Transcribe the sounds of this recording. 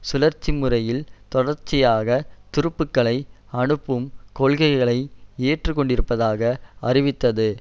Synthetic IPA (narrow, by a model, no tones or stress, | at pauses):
sʊlɐɾt͡ʃːɪmɯrɐjɪlt̪ɔɽɐɾt͡ʃːɪjaːɣɐt̪ɪɾɯpːɯkːɐɭɐɪ | ɐɳɯpːɯmkɔɭɣɐɪɣɐɭɐɪeːʈrɯkːɔɳɖɪɾɯpːɐðaːɣɐɐrɪʋɪt̪ːɐðɯ